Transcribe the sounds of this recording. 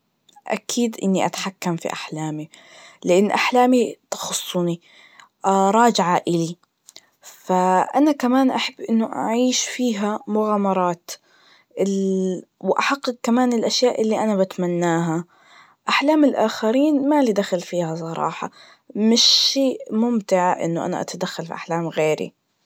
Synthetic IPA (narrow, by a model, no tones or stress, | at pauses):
ʔa̰kʰiːd̪ʔɪnːiʔat̪ḁħakːamfḭʔaħlaːmi | lɪʔɪnːʔaħlaːmit̪ɑ̥xʊsˤːni | ʔɾˤɑːd͡ʒɪʕaʔɪli | faʔanakamaːnʔaħabːʔɪnːʊʔa̰ʕiːʃfiːɦamʊɣaːmɑɾˤɑːt̪ | ʔɪ | wʔaħɑqːɨq̚kamaːnɪlʔaʃjaːʔɪlːiʔanabat̪manːaːɦa | ʔaħlaːmɪlʔaːxaɾiːnmalid̪axalfiːhasˤɑɾˤɑ̰ːħɑ | mɪʃːeːʔmʊmt̪ɪʕʔɪ̰nːʊʔa̰na̰ʔa̰t̪ad̪axːalfḭʔaħlaːmɣeːɾḭ